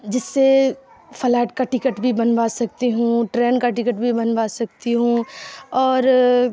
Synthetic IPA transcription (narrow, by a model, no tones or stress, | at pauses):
d͡ʒɪsːe | fʰɐlɛːʈkaʈɪkəʈbʱibɐnbaːsɐk̚t̪iɦũʈɾeːnkaʈɪkəʈbʱibɐnbaːsɐk̚t̪iɦũɔːɾ